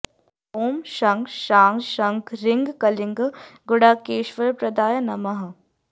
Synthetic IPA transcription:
oːmʃɐŋɡʃaːŋɡʃɐŋɡɾɪŋɡkɐlɪŋɡɡʊɽaːkeːʃʋəɾpɾɐd̪aːjɐnɐmɐɦ

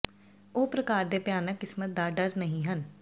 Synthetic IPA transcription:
oːpɾəkaːɾd̪eːpjaːnəkːɪsmət̪̚d̪aːɖəɾnəɦĩːɦən

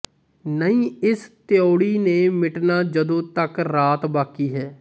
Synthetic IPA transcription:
nəĩːɪst̪joːɽiːneːmɪʈnaːd͡ʒəd̪õːt̪əkɾaːt̪baːkiːɦɛː

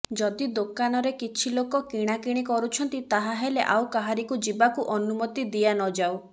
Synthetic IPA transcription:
d͡ʒɔd̪id̪okanɔɾekit͡ʃʰilokɔkiɽ̃akiɽ̃ikɔɾut͡ʃʰɔnt̪it̪aɦaɦeleʔawkaɦaɾikud͡ʒibakuʔɔnumɔt̪id̪ianɔd͡ʒaw

